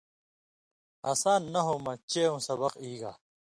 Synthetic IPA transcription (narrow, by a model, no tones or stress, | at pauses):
ɐ̰ːsaːnːɐɦoːmɐt͡ɕeːũsɐbɐqiːɡa̰ː